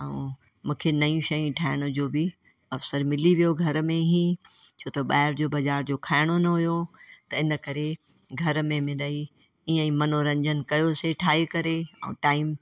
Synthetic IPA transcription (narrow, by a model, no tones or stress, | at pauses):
ɛ̃ | mũːkʰenɐjũʃɐjĩʈʰaːɪɽ̃od͡ʑoːbɪ | ɐfsəɾmɪliʋijoɡʱɐɾmẽɦĩ | t͡ɕʰoːt̪ɐɓa̰ːɪɾd͡ʑoːbɐd͡ʑaːɾd͡ʑoːkʰaːɪɽ̃onɐɦʊjot̪ɐɪnə̆kɐɾe | ɡʱɐɾmẽmɪ̃dɐi | iːə̃ĩmɐnoɾɐ̃ɲd͡ʑənɪ̆kɐjoseʈʰaːɦekɐɾeɛ̰̃ːʈaːɪm